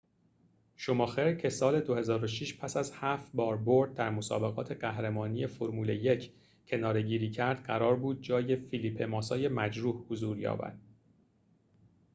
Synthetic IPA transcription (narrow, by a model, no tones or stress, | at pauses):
ʃomɒːxeɾcʰe̞sɒːle̞d̪ohe̞zɒːɾo̞ʃiːʃpʰæsæzhæft̪bɒːɾboɾd̪̚d̪æɾmo̞sɒ̰ːbe̞ɣɒːt̪ʰe̞ɢæhɾemɒːnije̞foɾmuːle̞je̞cʰ | cʰe̞nɒːɾe̞ɟiːɾiːcʰæɾd̪̥ɢæɾɒːɾbuːd̪̚d͡ʒɒːje̞filiːpʰe̞mɒːsɒːje̞mæd͡ʒɾuːhhozuːɾjɒ̰ːbæ̰d̪̥